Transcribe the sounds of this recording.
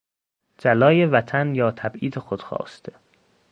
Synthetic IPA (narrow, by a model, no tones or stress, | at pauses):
d͡ʒælɒːjevæt̪ʰænjɒːt̪ʰæbʔiːd̪exod̪̥xɒ̰ːst̪ʰe